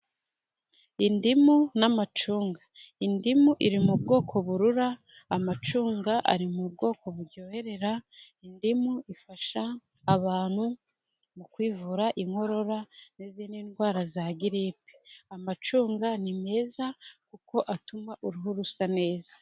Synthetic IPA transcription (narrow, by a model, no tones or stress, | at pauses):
indimunamat͡ʃuːŋɡaindimuʔiɾimubɡo̞ːkʰo̞βuɾuɾaː | mat͡ʃuːŋɡaʔa̰ɾimubɡo̞ːko̞βuɾɟo̞he̞ɾe̞ɾa | indimuʔifaʃaː | βaːn̥hu | mukwiːvuːɾaʔiŋho̞ɾo̞ɾaniziːninɡwaːɾazaɡiɾipi̥amat͡ʃuːŋɡanime̞ːzakuko̞ʔatumaʔuɾuɦuɾusane̞ːza